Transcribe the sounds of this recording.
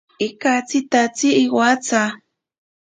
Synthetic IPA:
ikat͡sit̪at͡siʔːwat͡sa

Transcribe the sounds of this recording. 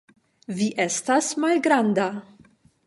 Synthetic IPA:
viʔɛst̪ɐsmɐlɡɾɐnd̪ɐ

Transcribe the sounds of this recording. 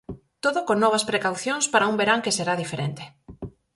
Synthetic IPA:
t̪oðokonːɔβ̞ɐspɾekawθjoŋspaɾaumbeɾaŋkeseɾaðifeɾent̪e̥

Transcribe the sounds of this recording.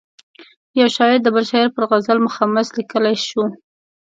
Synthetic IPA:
jawʃɑjɪɾd̪əbalʃɑjɪɾpəɾɣazalmʊxɑmaslikəlajʃu

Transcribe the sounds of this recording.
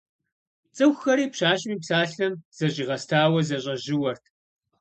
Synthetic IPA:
t͡sʼɨxxɐɾiːpɕaːɕʼɪmiːpsaːɬɐmz̥ɐɕʼiːʁɐstʰaːwɐzɐɕʼɐʑɪwɐrtʰ

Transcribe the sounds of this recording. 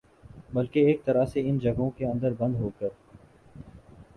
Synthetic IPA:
bɐlkeːk̚t̪ɐɾaseɪnd͡ʒɐɡʱõkeɐ̃nd̪əɾbɐ̃nd̪ɦoːkəɾ

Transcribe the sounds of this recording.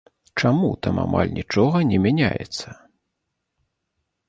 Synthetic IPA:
t͡ʂamut̪amama̰lʲnʲʔit͡ʂɔɣɐnʲɛmʲanʲajɛ̰t̪sːɐ

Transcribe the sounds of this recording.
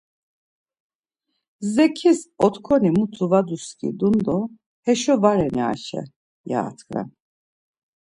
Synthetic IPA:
zɛkʰisɔt̪kʰɔnimut̪ʰuvad̪uskʼḭd̪und̪ɔ | hɛʃɔvaɾɛnia̰ʃɛ̰ | ja̰ːt̪ʰkɾa̰n

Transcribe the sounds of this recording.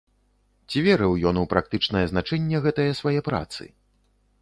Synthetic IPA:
t͡sʲivʲɛɾɨwjɔnupɾak̚t̪ɨt͡ʂnɐjɐznat͡ʂɛnʲːɛɣɛt̪ɐjɐsvajɛpɾa̰t̪sɨ̰

